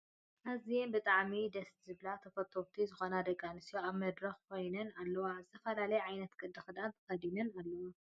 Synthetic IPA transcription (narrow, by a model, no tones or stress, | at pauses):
ʔazijenbɨt̪ʼaʕmid̪ɐst̪zɨβlat̪ʰɐfɐt̪ʰoβt̪ʰizɨxonad̪ɐɡanɨsijoaβmɐd̪ɾɐxkʰo̞jnɐnalːɐwazɨt̪ʰɐfɐlalɐjʕajnɐt̪ɡɨd̪ɐxɨd̪ant̪ʰɐ̥xɐd̪inɐnalːɐwa